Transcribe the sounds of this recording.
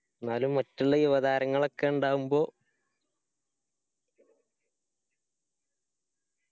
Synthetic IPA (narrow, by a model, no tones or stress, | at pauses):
naːlumːɐtːuɭːɐiʋɐðaːɾɐŋːɐɭo̞kːeuɳɖaːʋumbo̞ː